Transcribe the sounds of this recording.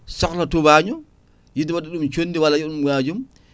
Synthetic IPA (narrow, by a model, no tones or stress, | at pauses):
sɔklatubaɲɔ | jidiwadɛɗumt͡ʃonːdiwalajiɗumwaːd͡ʒum